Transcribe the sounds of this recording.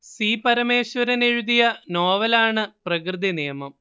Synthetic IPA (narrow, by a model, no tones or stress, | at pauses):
siːpɐɾɐme̞ːɕʋɐɾɐneɻuðijɐno̞ːʋɐlaːɳɨprɐkrɨd̪inijɐmɐm